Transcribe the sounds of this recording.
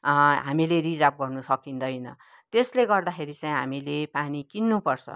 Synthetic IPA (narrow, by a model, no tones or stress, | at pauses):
ɦamileɾid͡zap̚ɡʌrnusʌkind̪ʌjnʌ̰ | t̪esleɡʌrd̪axʰeɾit͡saĩɦa̰milepanikinːupʌrt͡sʰʌ̰